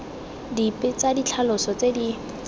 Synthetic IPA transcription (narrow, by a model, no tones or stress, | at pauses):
dipʼɪt͡sadit͡ɬʰalʊsɔt͡sedi